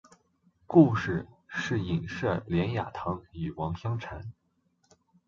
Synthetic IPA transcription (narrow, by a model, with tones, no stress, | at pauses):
ku˥˧ʂɻ̩˥˩ʂɻ̩˥˩i˨˩ŋʂɤ˥˩ljɛ˧˥nja̰˨˩t̪ʰɑ˧˥ŋy˨˩wɑ˧˥ŋɕjɑ˥ŋʈ͡ʂʰa˧˥n